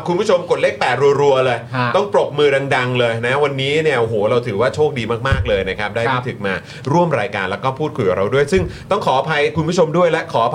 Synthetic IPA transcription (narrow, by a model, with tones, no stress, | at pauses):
kʰu˧nbuː˥˩o˧mko˨˩t̪̚leː˥˩k̚pɛː˨˩t̪̚ɾu˧əɾu˧ɐlɤː˧jt̪ɔ˥˩ŋpɾo˨˩p̚mɯː˧da˧ŋda˧ŋlɤː˧jna˦˥wa˧nːiː˦˥ni˥˩ɐʔo˨˩ɦoː˩˦ɾa˧wt̪ʰɯː˩˦waː˥˩t͡ɕʰoː˥˩k̚diː˧maː˥˩k̚maː˥˩k̚lɤː˧jna˦˥kʰa˦˥p̚daː˥˩maː˥˩t̪ʰɯ˨˩k̚maː˧ | ɾu˥˩əmɾaː˧jka̰ː˧nlɛ˦˥wkɔː˥˩pʰuː˥˩t̪̚kʰu˧jka˨˩ɾa˧wdu˥˩əjsɯ˥˩ŋt̪ɔ˥˩ŋkʰɔː˩˦a˧˩pʰa˧jkʰu˧nbu˥˩t͡ɕʰo˧mdu˥˩əjlɛ˦˥kʰɔː˩˦a˧